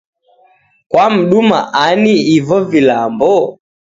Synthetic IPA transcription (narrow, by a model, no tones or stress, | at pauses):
kwam̩ɗuma̰ʔaniːvɔvilambɔ